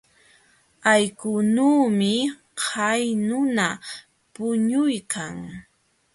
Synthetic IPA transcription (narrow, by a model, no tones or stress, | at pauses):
ajkʊnuːmɪ | hʰajnʊna | pʊɲʊjkʰaŋ